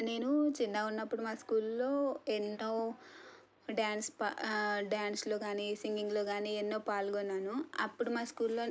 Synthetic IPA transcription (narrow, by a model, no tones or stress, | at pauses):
ne̞ːnut͡ʃinːaːunːɐpːuɽumaːskuːlːo̞ːenːoː | ɖjaːnspaɖjaːnslo̞ːɡaːniːsiŋɡiŋɡlo̞ːɡaːniːenːo̞ːpaːlɡɔnːaːnuɐ̰pːuɽumaːskuːlːo̞ː